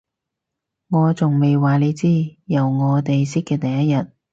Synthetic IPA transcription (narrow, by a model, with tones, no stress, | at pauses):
ŋɔː˨˧t͡sʊ˨ŋme˨jwaː˨˩le˨˧jt͡siː˥jɐ˨˩wŋɔː˨˧t̪e˨jsɪ˥kːɛː˧t̪ɐ˨˩jɐ˥jɐ˨t̚